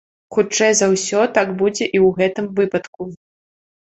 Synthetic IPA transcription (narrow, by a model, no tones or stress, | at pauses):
xut͡ʂt͡ʂɛjzɐwsʲɔt̪aɡbud͡zʲɛʔiwɣɛt̪ɨmvɨpɐt̪ku